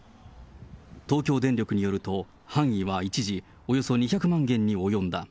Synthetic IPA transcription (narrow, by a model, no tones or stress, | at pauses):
t̪o̞ːkʲo̞ːd̪ẽ̞nɾʲo̞kɯ̟ɲ̟ijo̞ɾɯ̟t̪o̞ | hãɰ̃iβait͡ɕiʑi | ojo̞so̞ɲ̟içakɯ̟mãŋɡẽ̞ɲ̟ːio̞jõ̞nd̪a̰